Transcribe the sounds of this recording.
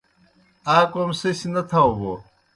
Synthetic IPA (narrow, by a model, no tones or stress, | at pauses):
aːkomsesinɐt̪ʰawbo̰